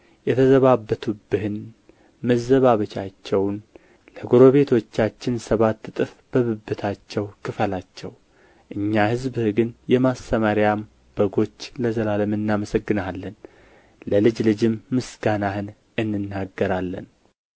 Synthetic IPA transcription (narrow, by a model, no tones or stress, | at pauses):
jɛt̪ʰəzəβabːət̪ʰubɨhɨn | məzːəβaβət͡ʃat͡ʃːɛwn | ləɡoɾo̞βe̞t̪ʰo̞t͡ʃːat͡ʃːɪnsəβat̪ːɨt̪ʼɨf | b̥əβɨbːɨt̪ʰat͡ʃːɛwkʰɨfəlat͡ʃːɛw | ʔɨɲːahɨzbhɨɡɨnjɛmast̪ʰəmaɾjam | b̥əɡo̞t͡ʃːləzəlaləmɨnːaməsəɡːɨnalːən | ləlɨd͡ʒlɨd͡ʒɪmːɨsɡ̥anahɨn | ɨnːɨnːaɡːəɾalːə̰n